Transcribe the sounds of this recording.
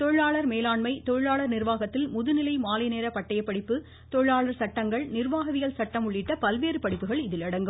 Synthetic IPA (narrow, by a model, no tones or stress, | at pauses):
t̪ɔɻɯɻaːɭɐɾmeːlaːɳmɐɪt̪ɔɻɯɭaːɭɐɾnɪrʋaːɣɐt̪ːɪlmʊðɯnɪlɐɪmaːlɐjneːɾɐpɐʈːɐjɐpːɐɽɪpːɯ | t̪ɔɻɯɻaːɭɐɾsɐʈːɐŋɡɐɭnɪrʋaːɣɐðɪjɐlsɐʈːɐmʊɭːɪʈːɐpɐlʋeːɾɯpɐɽɪpːɯɣɐɭɪðɪlɐɽɐŋɡɯm